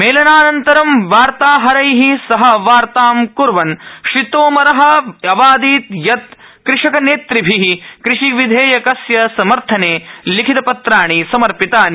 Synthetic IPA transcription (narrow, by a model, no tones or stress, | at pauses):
meːlɐnaːnɐnt̪ɐɾɐmʋaːɾt̪aːɦɐɾɐjɦisɐɦɐʋaːɾt̪aːmkuɾʋɐnʃit̪oːmɐɾɐɦɐ̆ɐbaːd̪iːt̪jɐt̪ | kɾɪʂɐkɐneːt̪ɾibʱiɦikɾɪʂiʋid̪ʱeːjɐkɐsjɐsɐmɐɾt̪ʰɐneːlikʰit̪ɐpɐt̪ɾaːɳisɐmɐɾpit̪aːni